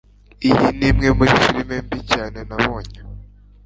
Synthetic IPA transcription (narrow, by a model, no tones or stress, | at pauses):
ijinimŋe̞muɾifiɾimembicaːne̞naβoːɲa